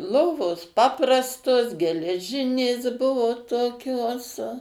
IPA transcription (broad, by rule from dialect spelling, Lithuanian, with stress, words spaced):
ˈlˠoːʋoːs ˈpɑːprɐstoːs ɡʲɛlʲɛˈʒʲɪnʲeːs ˈbʊʋoː toːˈkʲoːs